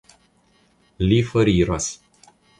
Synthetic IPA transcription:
lifɔɾiɾos

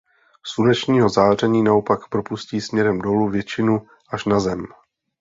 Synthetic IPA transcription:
sunɛt͡ʃɲiːɦo̞zaːr̝ɛɲiːnao̞pakpɾo̞pusciːsmɲɛɾɛmdo̞luvjɛt͡ʃɪnu | ʔaʃnazɛm

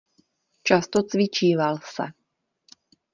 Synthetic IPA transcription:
t͡ʃast̪ot͡svɪt͡ʃiːvalsɛ̰

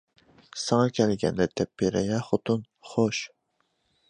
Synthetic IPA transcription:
sɑŋɑkʲʰɛlɡʲɛ̰ndɛt̪ʰɛpːeɾɛjɑχot̪ʰun | χoʃ

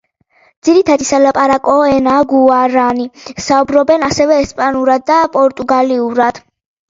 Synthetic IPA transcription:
d̪z̥iɾit̪ʰad̪isalapʼaɾakʼɔɛnaɡuaɾanisaubɾɔbɛnasɛvɛːspʼanuɾad̪̚ːapʼɔɾt̪ʼuɡaliuɾad̪̥

